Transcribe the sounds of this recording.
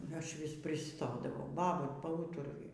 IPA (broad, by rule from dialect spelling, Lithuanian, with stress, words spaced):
ˈɐʃ ˈʋʲɪs pʲrʲɪˈstoːdɐʋɐʊ ˈbɑːbɐ pɐˈuːtʊrʊjʊ